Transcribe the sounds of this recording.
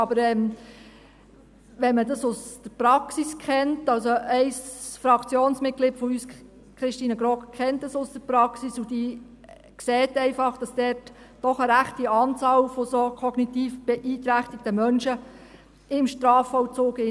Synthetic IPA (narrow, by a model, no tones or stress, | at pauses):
ɑbəɾɛm | ʋɛnmədɑsʊsd̥əɾpɾɑksiskʰχɛntɑlsoɛɪsfɾɑkt͡sjoːnsmɪt̚ɡ̥lɪːtfɔyːs | kɾɪʃtiːnəɡɾɔkkʰːɛntdəsʊsd̥əɾprɑksisud̥iː | kseːtɛɪfɑχd̥ɑsd̥ɛrt | d̥ɔχəɾæχtiɑːnt͡sɑːlfosokʰɔɡnitiːfb̥ɛʔiːtɾæχtɪk̚təmœnʃə | ɪmʃtɾɑːfɔwt͡soːkɪ